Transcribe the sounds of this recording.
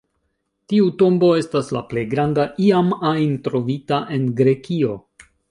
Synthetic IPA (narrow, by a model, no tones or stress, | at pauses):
tiuto̞mbo̞e̞stasla̰ple̞jɡɾandaʔiamajntɾo̞vitaʔe̞nɡɾe̞kio̞